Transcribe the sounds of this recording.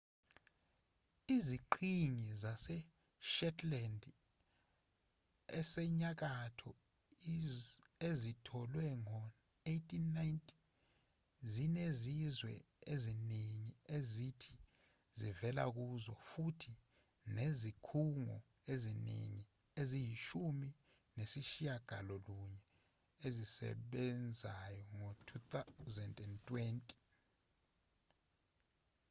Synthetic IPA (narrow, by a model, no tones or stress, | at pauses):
iziǃʰiŋizasɛ | ʃɛtʰʼlɛnd | ɛsɛɲak̬atʰɔ | ezitʰɔlwɛŋɔ | ejtʰʼinːajntʼʰi | zinezizwɛ̰eziniŋiezitʰi̥ | zivɛla̰k̬uzɔ̰futʰi | nezikʰuŋɔ̰ | ezinḭŋi | ezijiʃumi | nesiʃijaɡ̥ʱa̰lɔluɲɛ | ezisɛ̰ɓɛnd͡zʱajɔŋotʰut̪azɛndʼɛntʼwentʼi̥